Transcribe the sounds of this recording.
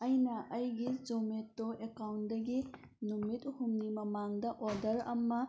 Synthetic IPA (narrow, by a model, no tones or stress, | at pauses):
ɐjnɐʔɐjɡizometːoʔekawndɐɡi | numituhumnimɐmaŋdɐʔodɐɾɐ̰mːɐ